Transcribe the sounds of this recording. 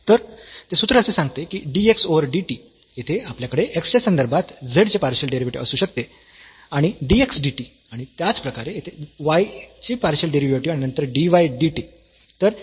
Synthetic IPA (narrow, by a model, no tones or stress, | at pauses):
t̪əɾt̪esut̪ɾəːsesãŋɡt̪ekiɖieksoʋəɾɖiʈi | jet̪ʰeapljakəɽeʔeksesːənd̪əɾbʱat̪d͡zeɽt͡ɕepaɾɕəlɖeɾiʋiʈḭəsuːɕəkt̪e | aɽ̃iɖieksɖiʈi | aɽ̃it̪jat͡spɾəkaɾejet̪ʰeʋajt͡ɕipaɾɕəlɖeɾiʋjoɾʈiaɽ̃inənt̪əɾɖiʋajɖiʈiː | t̪əɾ